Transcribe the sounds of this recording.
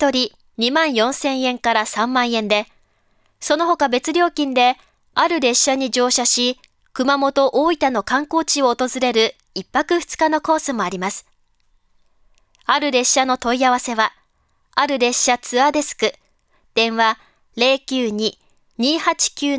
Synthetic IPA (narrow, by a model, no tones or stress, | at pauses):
t̪o̞ɾʲi | ɲ̟imãɰ̃jõ̞ɰ̃sẽ̞ɰ̃ẽ̞ŋkaɾasãmːãɰ̃ẽ̞nd̪e̞ | so̞no̞ɦo̞kabe̞t͡sɨɾʲo̞ːkʲĩnd̪e̞ | aɾɯ̟ɾe̞ɕːaɲ̟id͡ʑo̞ːɕaɕi | kɯ̟mamo̞t̪o̞ʔoːit̪ano̞kãŋko̞ːt͡ɕio̞ːt̪o̞zɨɾe̞ɾɯ̟ | ipːakɯ̟ɸɯ̟̥t͡sɨ̥kano̞ko̞ːsɨmo̞aɾʲimasɨ̥ | aɾɯ̟ɾe̞ɕːano̞t̪o̞iaβase̞βaː | ɾɯ̟ɾe̞ɕːat͡sɨad̪e̞sɨ̥kɯ̟ | d̪̥ẽ̞ɰ̃βa | ɾe̞ːkʲɨːɲ̟i | ɲ̟iːhat͡ɕi̥kʲɨː